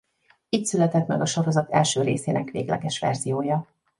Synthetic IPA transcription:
iːc̪sylɛt̪ɛt̪mɛɡɒʃoɾo̞zɒt̪ɛlʃøːɾeːseːnɛkʋḛːɡlɛ̰ɡɛʃʋɛ̰rzijoːjɒ

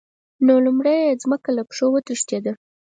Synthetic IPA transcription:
nolumɽejezməkalapʂowət̪əʂt̪jed̪ə

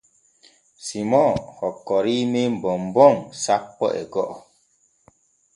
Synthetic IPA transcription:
simɔ̃hɔkɔɾimem̩bɔmbɔŋsapːɔ̰ʔɛ̰ɡɔʔɔ

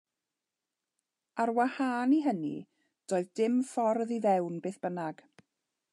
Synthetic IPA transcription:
aɾwahaːniɦənḭ | d̥oːɨðdɪmfɔrðiðɛwnbeːθb̥ənaɡ̥

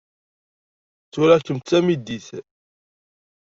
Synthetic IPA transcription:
t͡sːuɾækːəmt̪t͡sːæmid̪iθ

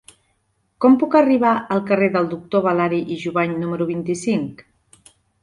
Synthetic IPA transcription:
kɔmpukəriβ̞aʔəlˠkəreðəlˠd̪uk̚t̪oβ̞alaɾiʔiʒuβaɲnuməɾuβ̞int̪isiŋk

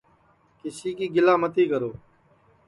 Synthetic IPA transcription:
kɪsiːkiːɡɪlaːmət̪iːkəɾoː

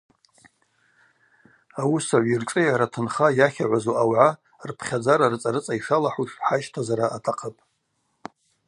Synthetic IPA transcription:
awusaʕʷirʈ͡ʂʼɨjaɾatʰɨnχajaχʲaʕʷazoʔawʕa | rpʰχʲad͡zaɾarɨt͡sʼaɾɨt͡sʼaiʂalaħuʂħaʃtʰazaɾaʔatʰaqʰapʼ

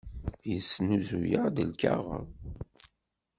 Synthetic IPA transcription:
jəsːnuzujad̪əlka̰ʁə̰

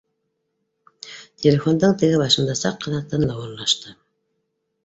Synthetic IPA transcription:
t̪ʲʰelʲefo̞nd̪ɤɴt̪ɘ̆ɡɘβɑʃɤ̆nd̪ɑsɑqːɑðɑt̪ːɑnlˠɑwoɾlˠɑʃt̪ɤ

